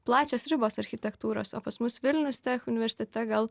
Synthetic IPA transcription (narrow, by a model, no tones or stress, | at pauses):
plˠɑːt͡ʃʲoːsɾʲɪboːsɐɾʲxʲɪt̪ʲɛkt̪uːɾo̰ːso̰ːpɐsmʊsʋʲɪlʲnʲʊst̪ʲɛːxʊnʲɪʋʲɛɾʲsʲɪt̪ʲɛt̪ʲɛɡɐlˠ